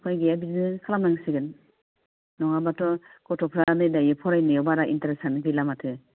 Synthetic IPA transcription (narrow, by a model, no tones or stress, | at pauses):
kʰɔjɡejabiznɯkʰalamnaŋsɯɡɯn | nɔŋabatɔkɔtʰɔpʰɾanɯdajɯpʰɔɾajnɯjɔbaɾaʔḭnteɾesanbilamatʰɯ